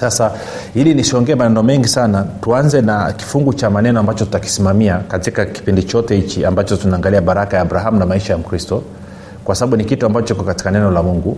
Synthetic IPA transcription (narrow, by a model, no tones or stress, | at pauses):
sasa | ilinisiɔŋɡɛmanɛnɔmɛŋɡisanatuanzɛnaki̥fuŋɡut͡ʃamanɛnɔambat͡ʃɔtu̥taki̥simamiakatikaki̥pindit͡ʃɔtɛhit͡ʃiambat͡ʃɔtunaːŋɡaliaɓaɾakajaːbuɾaɦamunamaiʃajam̩kɾistɔ | kwasaɓaɓunikituambat͡ʃɔt͡ʃɔkikɔkati̥kanɛnɔlamuŋɡu